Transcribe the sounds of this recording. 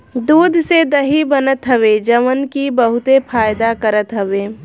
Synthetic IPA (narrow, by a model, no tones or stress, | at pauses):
d̪uːd̪ʱsed̪ɐɦibənət̪ɦəʋed͡ʒəmənkibəɦʊt̪epʰaːjd̪akəɾət̪ɦəʋeː